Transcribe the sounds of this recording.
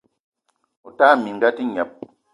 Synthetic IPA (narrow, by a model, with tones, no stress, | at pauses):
ɔ˨ta˦˨mi˨ŋ̩˦ɡa˦ti˦ɲɛ˨p̚